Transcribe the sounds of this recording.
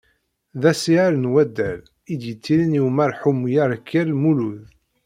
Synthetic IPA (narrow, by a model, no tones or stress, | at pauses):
ðæsiʕaɾənwæd̪ːæl | id̪jət͡sːiɾinjwmæɾħumjaɾˤkʰːiɾlmuluð